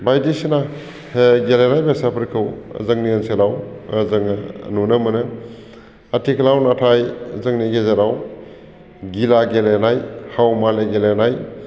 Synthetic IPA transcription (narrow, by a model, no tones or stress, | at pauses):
bajdisina | ɡelenajbesapʰɾkʰɯw̰zɯŋniənselawzɯŋnunɐmɯnɯ | atʰikʰlawnatʰajzɯŋniɡezaɾaw | ɡilaɡelenajhawmaleɡelenaj